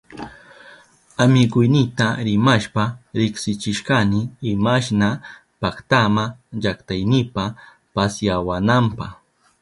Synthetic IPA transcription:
amɪɢʊjnɪt̪aɾɪmaʃpaɾɪχsɪt͡ʃɪʃɢanɪɪmaʃ̬na | pakt̪amaʎakt̪ajnɪpa | pasjawanampɑχ

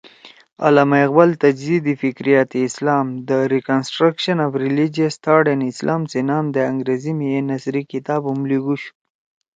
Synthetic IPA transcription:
a̰lamaɣbalt̪ad͡ʒzid̪ifɪkɾijat̪iːslɑmd̪əɾikansʈɾakʃanafɾilid͡ʒijast̪ʰɑɖenɪslʔɑmt͡senɑmd̪əaŋɡɾezimijenasɾikɪt̪ɑːbumliɡuʃu̥

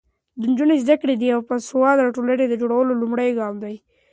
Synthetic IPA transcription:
d̪ənd͡ʒunezd̪akɽed̪iawpəsʊwɑd̪aaʈoləɽed̪əd͡ʒoɽawəlolumɽajɡɑmd̪aj

